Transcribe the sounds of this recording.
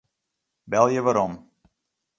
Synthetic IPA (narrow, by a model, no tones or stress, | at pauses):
bɛlˠjəʋaɾɔm